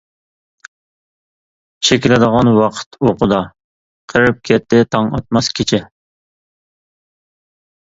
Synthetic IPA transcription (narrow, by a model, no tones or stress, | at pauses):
t͡ʃʰekʲilɪd̪əʁɑnwɑqʰə̥t̪ʰoqʰʊd̪ɑ | qʰəɾɨp̚kʲʰɛt̪ʰːɪt̪ʰɑŋɑt̪̚mɑskʲʰit͡ʃʰɛ